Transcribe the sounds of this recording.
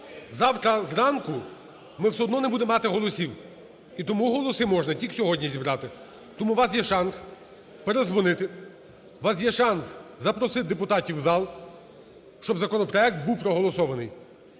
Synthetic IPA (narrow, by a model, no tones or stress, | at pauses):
zɑwt̪ɾɐzɾɑnkʊ | mɪwsʲɛɦɔd̪nɔnebud̪emːɑt̪ɪɦɔlˠɔsʲiw | it̪ɔmuɦɔlˠɔsɪmɔʒnɐtʲiksʲɔɦɔdʲnʲizʲibɾɑt̪ɪ | t̪ɔmuʋɑs̬jɛʃɑns | peɾezʋɔnɪt̪ɪ | ʋɑsjɛʃɑnszɐpɾɔsɪd̪epʊt̪ɑtʲiwzɑlˠ | ʃt͡ʃɔbzɐkɔnɔpɾɔɛk̚t̪̚buwpɾɔɦɔlˠɔsɔʋɐnɪj